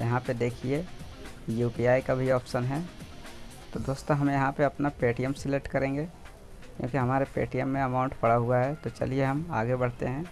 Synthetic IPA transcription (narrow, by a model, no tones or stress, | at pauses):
jɐɦãped̪eːkʰie | juːpiaːikabʱiɔːpʃənɦɛ | t̪od̪oːst̪ãɦɐmjɐɦãpeɐpnapeːʈijəmsɪleʈkɐɾẽːŋɡe | kjõ̰ːkiɦɐmaːɾepḛːʈijəmːẽɐmaːʊ̃ɳʈpɐɽaɦuaɦɛt̪ot͡ʃɐ̰lieɦɐmaːɡebɐɽ̤t̪eɦɛ̃ː